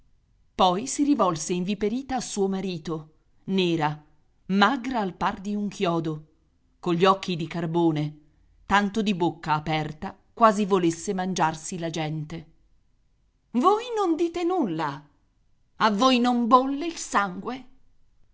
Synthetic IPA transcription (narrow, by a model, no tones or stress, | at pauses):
pɔjsiɾivɔlseiɱvipeɾiːt̪aːsuːomaɾiːt̪o | neːɾa | maɡɾaːlpard̪iuŋkʰjɔːd̪o | koʎːiɔkːid̪ikarboːne | t̪ant̪od̪ibokːaːpɛrt̪a | kwaːzivolesːemand͡ʒarsilad͡ʒɛnt̪e | vojnond̪iːt̪enulːa | avːojnombolːeilsaŋɡwe